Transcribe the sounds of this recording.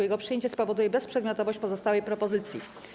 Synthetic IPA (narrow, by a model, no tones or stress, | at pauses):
jɛɡɔpʂɨjeɲt͡ɕɛspɔvɔd̪ujɛbɛspʂɛd̪mʲɔt̪ɔvɔɕt͡ɕpɔzɔst̪awɛjpɾɔpɔzɘt̪sʲjḭ